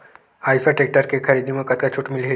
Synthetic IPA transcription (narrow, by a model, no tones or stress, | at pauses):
ajfaʈek̚ʈəɾkekʰəɾid̪iməkət̪kat͡ɕʰuʈmilɦe